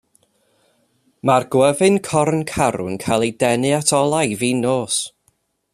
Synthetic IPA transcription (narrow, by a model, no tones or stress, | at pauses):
marɡ̥wəvɨnkʰɔɾnkʰaɾʊ̰nkʰajlˠejdɛnɨatʰɔlˠajviːnoːs